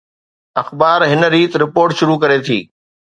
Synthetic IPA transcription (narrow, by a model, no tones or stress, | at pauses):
ɐxbaːɾɦɪnə̆ɾiːt̪ɾɪpoːɾʈʃʊɾukɐɾet̪ʰḭː